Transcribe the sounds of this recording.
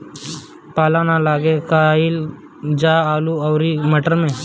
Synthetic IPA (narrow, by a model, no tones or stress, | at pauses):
palanalaɡekail | d͡ʒaaːluawɾiməʈəɾmẽ